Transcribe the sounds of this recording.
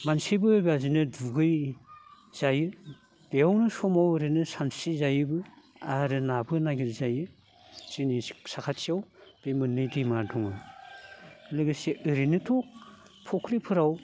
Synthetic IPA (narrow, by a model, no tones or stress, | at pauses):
mansibɯbazinɯduɡɯj | z̥ajɯ | d̥eawnɯsɔmawɯɾinɯsansizajɯbɯ | aɾɯnabɯnaɡiɾzajɯ | z̥inisakʰat͡ʃijawb̥emɯnːɯjdimadɔŋɯ | lɯɡɯsiʔɯɾinɯtʰɔk̚ | pʰɔkʰɾipʰɯɾaw